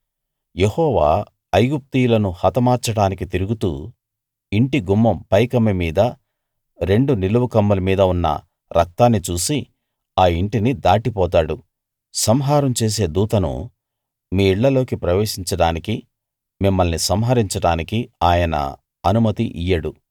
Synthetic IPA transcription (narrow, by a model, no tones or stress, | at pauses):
jehɔːʋa̰ː | ɐjɡup̚t̪iːjulɐnuhɐt̪ɐmaːɾt͡ʃɐɽaːnikit̪iɾuɡut̪ṵː | iɳʈiɡumːɐmpɐjkɐmimiːd̪ɐ | ɾe̞ɳɖuniluwukɐmːɐlɐmiːd̪ɐunːɐ̰ | ɾʔɐk̚t̪aːnːit͡ʃuːsi | aːiɳʈinid̪aːʈipɔːt̪̬aːɽu | sɐmɦaːɾɐmt͡ʃe̞ːs̬e̞ːd̪uːt̪ɐnṵ | miːiɭːɐlo̞ːkipɾɐʋe̞ːʂiɲt͡ʃɐɽaːniki | mimːɐlnisɐmɦɐɾiɲt͡ʃɐɽaːnikiaːjɐnɐ̰ | ɐnumɐt̪iʔijɐɽu